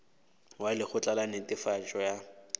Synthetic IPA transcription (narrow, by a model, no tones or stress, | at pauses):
walɪχʊt͡ɬʼalanetʼɪfat͡ʃʼɔja